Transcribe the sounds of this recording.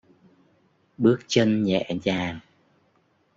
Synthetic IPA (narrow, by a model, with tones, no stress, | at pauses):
ɓɨ˦˥ək̚t͡ɕə˧nɲɛ̰˧˨zaː˨˩ŋ